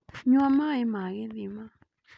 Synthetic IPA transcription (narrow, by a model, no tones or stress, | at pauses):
ɲũãmãimãɣiðimã